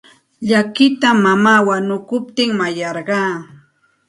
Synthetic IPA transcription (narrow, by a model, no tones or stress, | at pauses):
ʎakɪt̪amamaːwanʊkʊp̚t̪ɪŋmajɑɾɢɑː